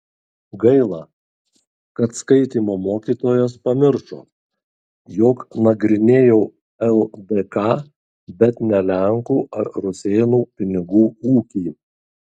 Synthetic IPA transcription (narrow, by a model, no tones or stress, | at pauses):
ɡɐɪlˠɑː | kɐt̪skɐɪt̪ʲiːmoːmoːkʲiːt̪oːjɛspɐmʲɪɾʃo̰ː | joːknɐɡɾʲɪnʲeːjɛʊ | ɛlˠd̪ekɑː | bʲɛt̪nʲɛlʲæŋkuːɐɾɾʊsʲeːnuːpʲɪnʲɪɡuːuːkʲiː